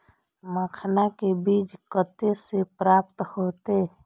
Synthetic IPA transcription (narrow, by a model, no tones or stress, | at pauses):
məkʰnakebiːd͡ʒkət̪esepɾaːp̚t̪hoːt̪e